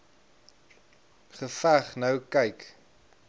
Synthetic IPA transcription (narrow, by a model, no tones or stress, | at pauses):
χəfæχnɐwkɐjk